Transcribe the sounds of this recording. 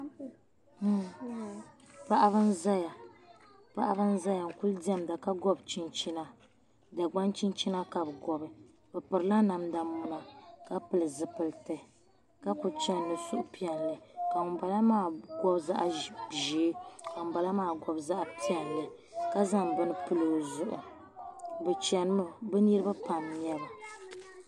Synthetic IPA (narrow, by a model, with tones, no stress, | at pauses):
pa˦ʔa˦βɨ˦n˦za˦ja˨ | pa˦ʔa˦βɨ˦n̩˦za˦ja˨ŋ̩˨ku˦ldi˦a˦mda˨ka˦ɡɔ˦bt͡ʃi˦nt͡ʃi˦na˦ | da˨ɡ͡ba˦nt͡ʃi˦nt͡ʃi˦na˦ka˨bɡɔ˨bɨ˨˦ | bɨ˨pɨ˨ɾɨ˨˦la˦na˨mda˨mʊ˦na˨ka˦pɨ˨lɨ˨zɨ˨pɨ˨ltɨ˨ | ka˦pu˨t͡ʃɛ˨n˦nɨ˨su˦ʔʊ˦pi˦ɛ˨nlɨ˨ka˨ŋ˨ba˨la˦maː˦˨ɡɔ˦bza̰˦ʔa˨ʒiː˨˦ka˨ŋ̩˨ba˨la˦maː˦˨ɡɔ˦bza˦ʔpi˦ɛ˨nlɨ˨ | ka˦za˦ŋbɨ˦nɨ˦pɨ˦lɨ˨zʊ˨ʔʊ̰˨ | bɛ˨t͡ʃɛ˨n˦ɨ˦bɛ˦ni˦ɾɨ˦ba˦pa˨mɲ˦ɛ˦la˨